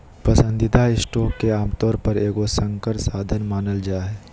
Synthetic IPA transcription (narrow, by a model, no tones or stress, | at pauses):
pɐsə̃nd̪ɪd̪aɪsʈoːkːeaːmt̪ɔːɾpəɾeːkosə̃ŋkəɾsaːd̪ʱənmaːnəld͡ʒaːɦɛː